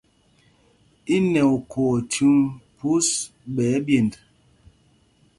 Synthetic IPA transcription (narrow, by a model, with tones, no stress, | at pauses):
i˦nɛ˨u˨kʰɔ˨tʰʉ˦ŋpu˦s | ɓɛ˨˦bje˨nd